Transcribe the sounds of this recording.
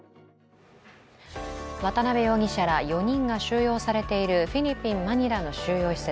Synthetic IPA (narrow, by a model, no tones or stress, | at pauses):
βat̪anabejo̞ːɡʲiɕaɾajo̞ɲ̟ĩŋɡaɕɨːjo̞ːsaɾe̞t̪e̞iɾɯ̟ɸʲiɾʲipʲːĩmːaɲ̟iɾano̞ɕɨːjo̞ːçi̥se